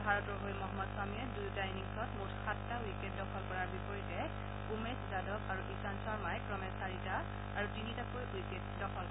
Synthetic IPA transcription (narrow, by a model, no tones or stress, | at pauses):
bʱaɹɔtɔɦojmɔɦɔmːɔdswamiɛdujtajniŋsɔtmoɹkʰatːawiket̚dɔkʰɔlkɔɹaɹbipɔɹitɛ | umeszadɔkaɹuʔisansɔɹmajkɹɔmesaɹitaː | ɹutinitakojujketdɔkʰɔl